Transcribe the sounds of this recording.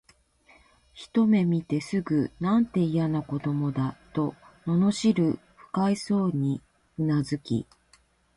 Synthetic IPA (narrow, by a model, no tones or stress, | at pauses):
çi̥t̪o̞me̞mʲit̪e̞sɨɡɯ̟nãnt̪e̞ijanako̞d̪o̞mo̞d̪at̪o̞no̞no̞ɕiɾɯ̟ | ɸɯ̟̥kaiso̞ːɲ̟i | ɯnazɨkʲḭ